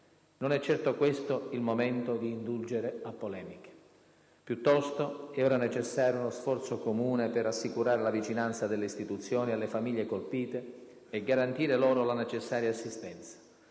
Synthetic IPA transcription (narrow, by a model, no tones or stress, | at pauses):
nonɛt͡ʃːɛrt̪okwest̪oilmomɛnt̪od̪iːnd̪uld͡ʒeɾeapːolɛːmike̥ | pjut̪ːɔst̪oɛɔːɾanet͡ʃesːaːɾjounosfɔrt̪sokomuːneperasːikuɾaːɾelavit͡ʃinant̪sad̪elːeist̪it̪ut̪sːjoːnialːefamiʎːekolpiːt̪eː | ɡaɾant̪iːɾelɔːɾolanet͡ʃesːaːɾjaːsːist̪ɛnt̪sḁ